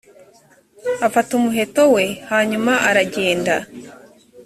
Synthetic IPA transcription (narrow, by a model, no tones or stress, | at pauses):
afatumuɦe̞to̞we̞haːɲumaʔaɾaɟe̞ːnda